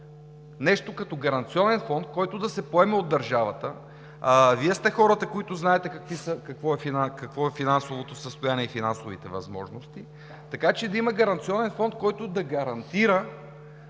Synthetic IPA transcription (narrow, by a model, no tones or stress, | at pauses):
nɛʃt̪okɐt̪ɔɡɐɾɐnt̪siɔnɛnfɔnt̪̚kɔjt̪od̪ɐsɛpoɛmɛod̪ːɐɾʒavɐt̪ə | viɛst̪ɛxɔɾət̪ɐkoit̪ʊznaɛt̪ɛkɐkvisəkɐkvɔɛfinakɐkvɔɛfinansovot̪osəst̪ojaniɛifinansovit̪ɛvɐ̰zmɔ̰ʒnost̪i | t̪ɐkat͡ʃɛd̪ɐimɐɡɐɾɐnt̪siɔnɛnfɔnt̪̚kɔjt̪ʊd̪ɐɡɐɾɐnt̪iɾə